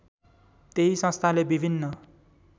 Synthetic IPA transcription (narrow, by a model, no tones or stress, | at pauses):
t̪eɦisʌ̃st̪ʰalebibʱinːʌ